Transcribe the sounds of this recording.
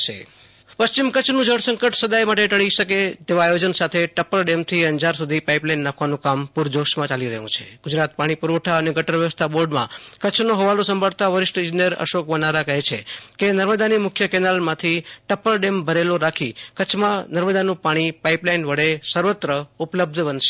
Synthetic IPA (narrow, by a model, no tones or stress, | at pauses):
ʃḛ | pəst͡ʃimkət͡ʃʰnũd͡ʒʱəɽsə̃ŋkəʈsəd̪ajmaʈeʈəɭiʃəket̪eʋaajod͡ʒənsat̪ʰeʈəpəlɖemt̪ʰiənd͡ʒaɾsud̪ʱipaiplainːakʰʋanũkampuɾd͡ʒoʃmãt͡ʃaliɾəɦṵ̃t͡ʃʰeɡʊd͡ʒɾat̪̚paɽ̃ipuɾoʈʰaəneɡəʈəɾʋjəʋəst̪ʰaboɾɖmã̰kət͡ʃʰnoɦəʋalosəmbʱaɽt̪aʋəɾɪʃʈɪ̃ɲd͡ʒinijəɾə̰ʃokʋənaɾakəɦet͡ʃʰekenəɾməd̪animʊkʰjəkɛnalmãt̪ʰiʈəpəlɖembʱəɾeloɾakʰikət͡ʃʰmãnəɾməd̪anũpaɽ̃ipaiplainʋəɽesəɾʋət̪ɾəupləb̚d̪ʱbənʃe̥